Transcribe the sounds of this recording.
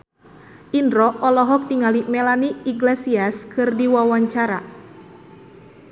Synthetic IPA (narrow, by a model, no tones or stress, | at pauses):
ʔindɾɔʔɔlɔɦɔk̚diŋalimɛlaniiɡlesiaskɨrdiwawaɲt͡ʃaɾa